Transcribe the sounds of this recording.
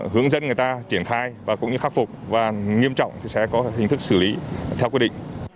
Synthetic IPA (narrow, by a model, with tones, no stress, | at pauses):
ɦɨ˨˧˦əŋzə̰˧˥nŋɨ˨˩jt̪aː˧t͡ɕi˧˩ənxaː˧jvaː˨˩kʊ̰˧˥ŋ͡mɲɨ˧xa˦˥k̚fʊ˨˩k͡p̚vaː˨˩ŋi˧əmt͡ɕɔ̰˧˨wŋ͡mt̪ʰi˨˩sɛ̰˧˥kɔ˨˦ɦï˨˩ŋ̟t̪ʰɨ˦˥k̚sɨ˧˩li˨˦t̪ʰɛ˧wkwi˧ɗḭ˧˨ŋ̟